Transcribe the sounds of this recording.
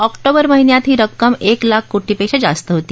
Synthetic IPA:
ɔkʈobəɾməɦinjat̪ɦiːɾəkːəmeklakʰːuʈʰiːpeɕed͡zast̪əɦot̪iː

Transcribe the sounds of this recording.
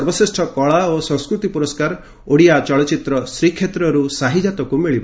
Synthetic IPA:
ɔɾbɔsisʈʰɔkɔɭaosɔ̃ŋskɾut̪ipuɾɔskaɾ | oɽijat͡ʃɔɭɔt͡ʃit̪ɾɔsɾikʰːet̪ɾɔɾusaɦid͡ʒat̪ɔkumiɭibɔ

